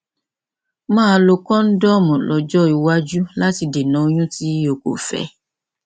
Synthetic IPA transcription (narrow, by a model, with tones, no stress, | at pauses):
mãː˦˧˦lo˧kɔ̃˦n̩˦dɔ˦˨mɔ̃˨lɔ˨˧d͡ʒɔ˦i˧wa˦d͡ʒu˦la˦ti˧de˨nã˨˦o˦j̃ũ˦ti˦o˧˦ko̰˨fɛ̰˧˦